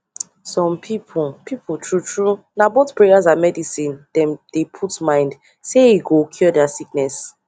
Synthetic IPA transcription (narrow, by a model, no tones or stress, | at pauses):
sɔ̃mpʰipʰupʰipʰtʰɹutʰɹu | naboθpɹejazamɛdisĩndɛ̃mdepʰutmãɪ̃nd | seeɡokʰjɔdɛasik̚nɛs